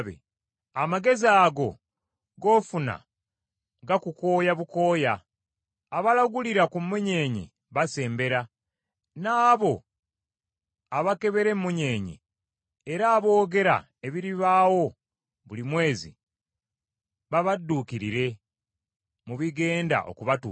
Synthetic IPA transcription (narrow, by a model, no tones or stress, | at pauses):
βḛ | amaɡe̞ziaɡo̞ | ɡo̞ːfuna̰ | ɡakuko̞ːjaβuko̞ːjaː | βalaɡuliɾakumuɲe̞ːɲḛ | βase̞ːmbe̞ɾa | naːβo̞ | aβake̞βe̞ɾe̞mːuɲe̞ːɲḭ | eɾaːβo̞ːɡe̞ɾa̰ | e̞βiɾiβaːwo̞ | βulimwe̞ːzḭ | βaβadːuːkiɾiɾe̞ | muβiɡe̞ːnda̰ʔo̞̰kuβatṵ